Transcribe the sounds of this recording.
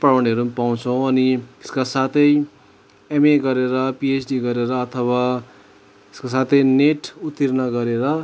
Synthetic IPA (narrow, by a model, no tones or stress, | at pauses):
pawʌniʌɾupaw̃t͡sʰʌw̃ʌnieskasat̪ʰʌj | emeɡʌɾeɾʌpiesʰɖiɡʌɾeɾʌːt̪ʰʌwa | eskasat̪ʰʌjneʈut̪ːirnʌɡʌɾeɾʌ